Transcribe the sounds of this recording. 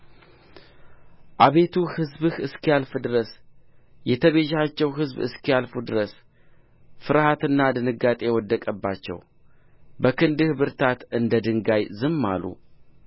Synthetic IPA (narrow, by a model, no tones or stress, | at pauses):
ʔaβe̞t̪ʰuhɨzbɨhɨskijalfɨd̪ɨɾəs | jɛt̪ʰəβeʒat͡ʃːɛwɦɨzbɨ̰skijalfud̪ɨɾəs | fɨɾhat̪ɨnːad̪ɨnɨɡat̪ʼe̞wɔd̪ːəkʼəbːat͡ʃːɛ̰w | bəkɨnd̪ɨhbɨɾt̪ʰat̪ɨnd̪əd̪ɨŋɡajzɨmːa̰lṵ